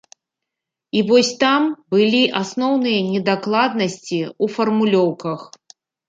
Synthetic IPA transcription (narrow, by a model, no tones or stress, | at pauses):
ivɔsʲt̪ambɨlʲiʔasnɔwnɨjɐnʲɛd̪aklˠad̪nɐsʲt͡sʲiufɐrmulʲɔwkɐx